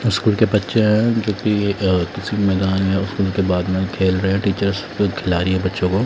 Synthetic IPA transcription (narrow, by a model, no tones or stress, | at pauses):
ʊskuːlkepɐtːʃeɦɛ̃d͡ʒoːkikɪsimɛːd̪aːnɦɛ̃ʊskuːlkebaːd̪mẽkʰeːlɾɐɦeɦɛ̃ʈiːt͡ʃəɾz | kʰɪlaːɾiɦɛ̃bɐtːʃõkoː